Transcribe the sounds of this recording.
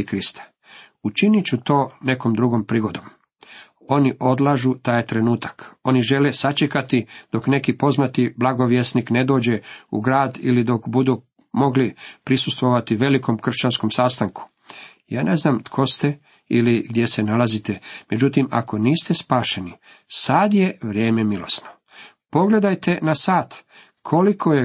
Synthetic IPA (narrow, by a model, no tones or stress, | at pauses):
kɾist̪ḁ | ut͡ʃinit͡ɕut̪o̞ːne̞komd̪ɾuɡo̞mpɾiːɡo̞d̪o̞m | o̞niʔo̞d̪lˠaʒut̪aːjt̪ɾenuːt̪ḁko̞niʒe̞lesat͡ʃekat̪id̪̥o̞kne̞kipo̞znat̪iblaɡo̞ʋjesnikne̞d̪o̞ːd͡ʑe̞ṵɡɾaːd̪ilid̪o̞kbud̪u | mo̞ɡlipɾisust̪ʋoʋat̪iʋe̞liko̞mkr̩ʃt͡ɕanskomsast̪aŋku̥ | jaːne̞znaːmt̪kʰo̞st̪e | iliɡd̪je̞se̞nalazit̪e̞me̞d͡ʑut̪ima̰ko̞niːst̪e̞spaːʃe̞ni | sad̪je̞ʋɾjeːme̞milo̞̰sno̞ | po̞ɡle̞d̪ajt̪e̞nasaːt̪ | kʰo̞likʰo̞je